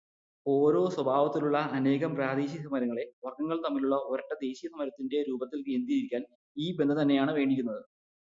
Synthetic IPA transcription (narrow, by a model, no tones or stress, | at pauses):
o̞ːɾo̞ːswɐbʱaːʋɐt̪ːiluɭːɐɐne̞ːɣɐmpraːd̪eːɕjɐsɐmɐɾɐŋːɐɭe̞ʋɐrɡɐŋːɐɭt̪ɐmːiluɭːɐoɾɐʈːɐd̪e̞ːɕijɐsɐmɐɾɐt̪ːinde̞ɾuːbɐt̪ːilend̪iɾiɾikʲːaːn | iːbend̪ʱɐt̪ɐnːe̞jaːɳɨʋe̞ːɳɖiɾʲːunːɐðɨ